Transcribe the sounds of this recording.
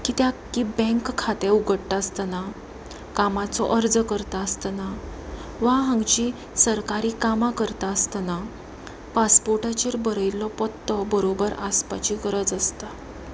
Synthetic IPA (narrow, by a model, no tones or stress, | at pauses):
kiːt̪jakːibɛ̃ŋkkʰːat̪euɡʱəɽʈaəst̪ana | kamat͡sɔ̰ʔəɾd͡zkəɾt̪aəst̪ana | ʋaɦãŋɡt͡ɕi | səɾkaɾiːkamakəɾt̪aːst̪ana | paspoɾʈat͡ɕeɾbəɾəjlɔpɔt̪ːɔbəɾobəɾaspat͡ɕikəɾəd͡zast̪a